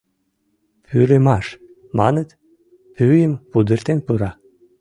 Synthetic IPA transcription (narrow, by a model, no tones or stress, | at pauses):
pʰyɾemɑʃ | mɑ̰nə̆t̪ | pyjəmpud̪ɨɾt̪enpɯɾɑ